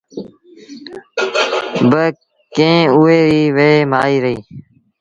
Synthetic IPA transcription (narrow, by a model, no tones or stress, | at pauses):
bə | kẽːuːeːɾiːʋeeːmaːiːɾəɦiː